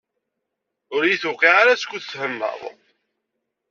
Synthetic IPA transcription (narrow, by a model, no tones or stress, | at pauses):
ʊɾjiθukiʁaɾaskʷːuθshəmːə̰ðˤ